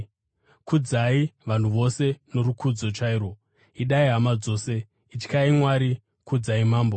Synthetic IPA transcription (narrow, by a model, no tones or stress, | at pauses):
kʰud͡zaiʋan̤uʋo̞se̞no̞ɾukʰud͡zo̞t͡ʃaiɾo̞ | iɗaiɦamad͡zo̞ːse̞ | it͡ʃi̥kaimwaɾi | kud͡zaimaːmbo